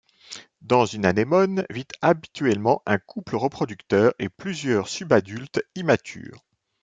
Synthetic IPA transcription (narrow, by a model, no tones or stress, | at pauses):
d̪ɑ̃zynanemɔnvit̪abit̪ɥɛlmɑ̃ʔɛ̃kʰupləʁəpχɔd̪ykt̪œːʁeplyzjœʁsybad̪ylt̪imat̪ʰy̰ːʁ